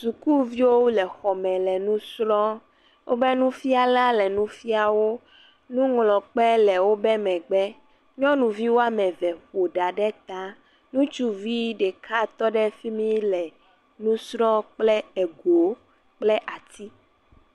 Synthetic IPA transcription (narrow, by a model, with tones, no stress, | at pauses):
su˨ku˦vi˦wo˦lɛ˨xɔ˨mɛ̃˨lɛ˨nũ˦sɾɔ̃˦ | wo̰˦bɛ˦nũ˦fi˦a˦lã˦lɛ˨nũ˦fi˦a˨wo˦ | nũ˦ŋlɔ̃˨k͡pɛ˦lɛ˨wo˦bɛ˦mɛ̃˨ɡ͡bɛ˦ | ɲɔ̃˦nũ˨vi˦wo˦a˨mɛ̃˨vɛ˨ɸo˨ɖa˨ɖɛ˦t̪a˦ | nũ˦t͡ʃu˦vi˦ɖɛ˨kʰa˦t̪ɔ˦ɖɛ˦fi˦mĩ˦lɛ˨ | nũ˦sɾɔ̃˦k͡plɛ˦ɛ˨ɡo˨ | k͡plɛ˦ʔa˨t̪i˦